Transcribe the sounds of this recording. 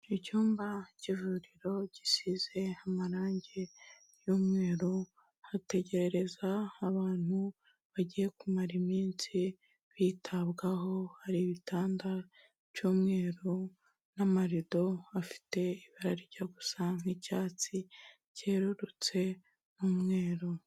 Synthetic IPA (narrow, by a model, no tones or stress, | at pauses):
icuːmbaɟivuɾiɾo̞ɟisize̞amaɾaːɲɟe | juːmŋe̞ːɾo | hate̞ɟe̞ɾe̞ɾe̞zaːβaːn̥u | βaɟije̞kumaɾimiːnsi | βiːtʰaβɡaɦo̞haɾiβitaːnda | juːmŋe̞ːɾo | namaɾido̞afi̥te̞iβaɾaɾiɾɟaɡusaŋ̥icaːt͡si | ceːɾuɾut͡se̞ | numŋe̞ːɾo